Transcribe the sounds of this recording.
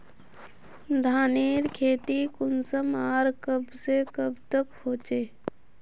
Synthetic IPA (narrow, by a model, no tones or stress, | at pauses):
d̪ʱaːneːɾkʰeːt̪ikʊnsəmaːɾkəbsekəbt̪əkhoːt͡ʃeː